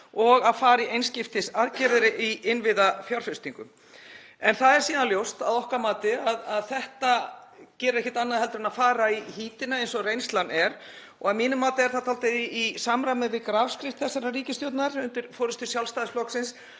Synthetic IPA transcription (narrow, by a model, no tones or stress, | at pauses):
ɔɣaðfaːɾiejnscɪft̪ɪsaðcɛːɾɪðɾɪʔiʔɪnvɪðafjaɾ̥fɪst̪iŋkʏ̰m | ɛnθaðɛɾ̥siːðaljowst̪aðɔhkamaːt̪ɪaðaðθɛht̪acɛːɾɪɾɛhçcːɪ̥ɾt̪anːaðɦɛlt̪ɾʏnafaːɾaihiːt̪ɪnaejnsɔrejnst̪lanːɛɾ | ɔ̰ɣaðmiːnʏmːaːt̪ɪɛɾθat̪ʰalt̪ɪðiisamɾamɛvɪðkɾaːvskɾɪft̪θɛsɛɾariːcɪst̪jowt̪naɾʏnt̪ɪɾ̥fɔwɾɪst̪ʏ̥sjalfst̪ajðɪsflɔksɪns